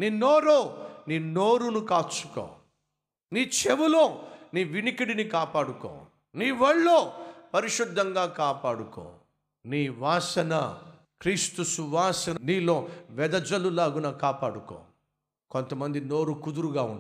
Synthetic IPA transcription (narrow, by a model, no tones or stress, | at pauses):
niːnoːɾoːniːnoːɾunukaːt͡ʃːu̥ko̰ː | niːt͡ʃeʋuloːniːʋinikiɽinikaːpaːɽuko̰ː | niːʋɐɭːoːpɐɾiʃud̪ʱːɐŋɡaːkaːpaːɽuko̰ː | niːʋaːsɐnɐ | kɾiːst̪usuʋaːsɐnniːloːʋɛd̪ɐd͡ʒɐlulaːɡunɐkaːpaːɽuko̰ː | kont̪ɐmɐnd̪ino̞ːɾukud̪uɾuɡaːun